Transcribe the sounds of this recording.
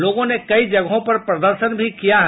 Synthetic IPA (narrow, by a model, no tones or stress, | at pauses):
loːɡõnekɐid͡ʒɐɡɦõpɐɾpɾɐd̪əɾʃənbʱikijaɦ